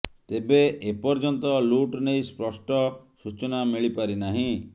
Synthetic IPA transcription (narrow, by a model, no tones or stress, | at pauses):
t̪ebeepɔɾd͡ʒɔnt̪ɔluʈnejspɾɔsʈɔsut͡ʃɔnamiɭipaɾinaɦĩ